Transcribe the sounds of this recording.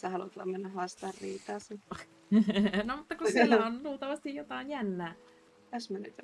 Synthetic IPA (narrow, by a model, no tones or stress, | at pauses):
sehɑlut̪lɑ̰mmenːæhɑst̪ɑrːiːt̪ɑːsen | nomut̪ːɑkussilːæonluːlt̪ɑʋɑst̪ijjot̪ɑinjænːæː | t̪æsmænyt̪